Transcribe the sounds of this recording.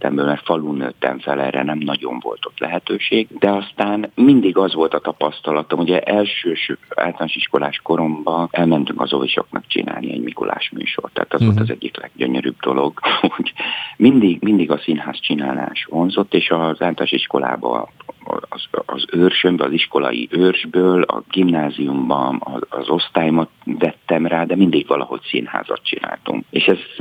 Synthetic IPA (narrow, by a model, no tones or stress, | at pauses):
t̪ɛmbøːlmɛrt̪fɒluːnø̰ːt̪ːɛ̰ɱfɛlɛrɛ̰nɛmnɒɟo̞̰ɱvo̞̰lt̪o̞t̪lɛɦɛt̪øːʃeːɡd̪ɛɒst̪aːnmind̪iɡɒzʋo̞lt̪ɒt̪ɒpɒst̪ɒlɒt̪o̞muɟɛʔɛlʃøːʃa̰ːlt̪ɒlaːʃiʃko̞laːʃko̞ɾo̞mbɒɛlmɛnt̪yŋkɒzo̞viʃo̞̰knɒkt͡ʃḭna̰ːlniɛ̰ɟmiko̰la̰ːʃmy̰ːʃo̞rt̪ːa̰ːt̪ɒzʋolt̪ɒzɛɟːiklɛɡ̚ɟøɲøɾy̰ːb̚d̪o̞lo̞ɡhoɟmind̪iɡmind̪iɡɒsinɦaːst͡ʃinaːla̰ːʃho̞nzo̞t̪ːeːʃɒzaːlt̪aːʃiʃko̞la̰ːbɒ̰ | zːzøːrʃømbɛɒziʃko̞lɒ̰jḭʔøːrʒbøːlɒ̰ɡimnaːzijumbɒɒɒzo̞st̪aːjomɒt̪vɛt̪ːɛmraːd̪ɛmind̪iɡʋɒlɒɦo̞csinha̰ːzɒ̰t̪t͡ʃina̰ːlt̪uŋkeːʃɛz